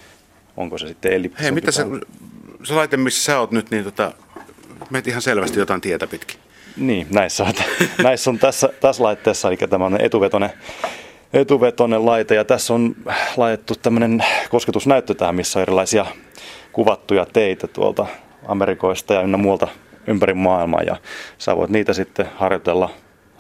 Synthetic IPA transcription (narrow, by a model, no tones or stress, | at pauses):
ʔo̰ŋkosesit̪ːeelipheimit̪æseuselɑˑit̪emmisːsæoːt̪nyt̪niːnt̪ot̪ɑ̰ | meˑt̪ihɑnselʋæst̪ijot̪ɑˑint̪iet̪æpit̪ki̥ | niːnæisːæot̪næisːont̪æsːæt̪æslɑit̪ːeːsːɑelikːæt̪æmæoneḛt̪uʋet̪one | et̪uʋet̪onellɑit̪ejɑt̪æsːonlɑit̪et̪ːutt̪æmːønenkosket̪usnæyt̪ːøt̪æhæmmisːoerilɑisiɑkuʋɑt̪ːujɑt̪eit̪æt̪ṵo̰lt̪ɑ | ɑ̰merikoist̪ɑjɑynːemuɑlt̪ɑympærimːɑːilmɑ̰ːjɑ̰sɑ̰ːʋo̰it̪niːt̪æsit̪ːehɑrjot̪elːɑ